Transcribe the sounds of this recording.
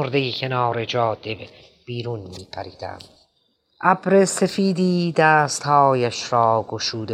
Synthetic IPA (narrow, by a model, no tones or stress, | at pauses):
oɾd̪e̞jiːcʰe̞nɑːɾe̞d͡ʒɒːd̪e̞b | b̥iːɾunmiːpʰæɾiːd̪̥æ̰m | ʔæbɾe̞se̞fiːd̪iːd̪æːst̪hɒːjæʃɾɒːɡoʃuːd̪e